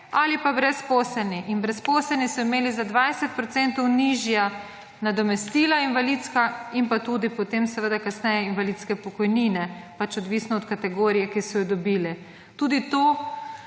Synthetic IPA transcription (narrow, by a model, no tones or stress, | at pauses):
alipabɾɛspoːslɛlniinbɾɛspoːslɛlnisɔimeːlizad̪ʋajsɛt̪̚pɾɔt̪sɛnt̪ɔwniʒja | nad̪ɔmɛst̪iːlainʋalidt̪skainpat̪uːd̪ipɔt̪emsɛʋəd̪akasnɛjɛinʋalit̪skɛpɔkɔjniːnɛpat͡ʃɔd̪ʋisnɔːt̪kat̪ɛɡoːɾijɛkisɔjɔd̪ɔbilɛ | t̪uːd̪it̪oː